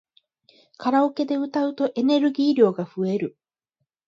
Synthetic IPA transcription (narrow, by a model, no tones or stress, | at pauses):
kʰaɾaoke̞d̪e̞ɯ̟t̪aɯ̟t̪o̞ʔe̞ne̞ɾɯɡʲiːɾʲjo̞ːɡaɸɯe̞ɾɯ̟